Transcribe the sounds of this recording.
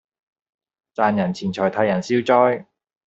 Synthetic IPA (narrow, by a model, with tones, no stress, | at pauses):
t͡saː˧njɐ˨˩nt͡sʰiː˨˩nt͡ʃʰɔ̰ː˨˩jt̪ʰɐ˧jːɐ˨˩nsiː˥wt͡sɔː˥j